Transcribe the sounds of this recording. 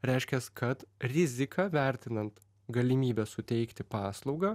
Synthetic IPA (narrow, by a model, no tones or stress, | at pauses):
ɾʲɛɪʃʲkʲɛskʰɐt̪ɾʲɪzʲɪkɑʋʲæˑɾʲt̪ʲɪnɐnt̪ | ɡɐlʲɪmʲiːbʲɛsʊt̪ʲɛɪkt̪ʲɪpɑːslˠɒʊɡɑ